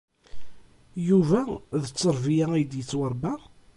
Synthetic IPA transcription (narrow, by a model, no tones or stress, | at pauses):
juvæðət͡sːəɾˤvijæijd̪jət͡sːwəɾˤbæ